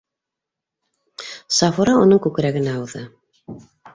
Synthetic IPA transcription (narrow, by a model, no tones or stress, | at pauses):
sɑfuɾɑunɤɴkʉkɾæɡɘ̆næɑwðɤ